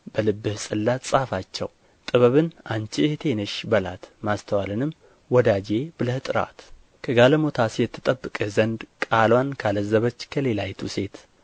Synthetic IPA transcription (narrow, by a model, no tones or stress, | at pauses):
bəlɨbːɨhsʼɨlːasʼafat͡ʃːɛ̰w | t̪ʼɨβəβɨnʔant͡ʃit̪ʰe̞nəʃbəlat̪mast̪ʰəwalɨnɨm | wɔd̪ad͡ʒe̞b̥ɨləht̪ʼɨɾa̰t̪ | kʰəɡaləmo̞t̪ʰasjɛt̪ʰːɨt̪ʼəbːɨkʼɨzənd̪kʼalwankʰaləzəβət͡ʃːkʰəle̞lajt̪ʰuse̞t̪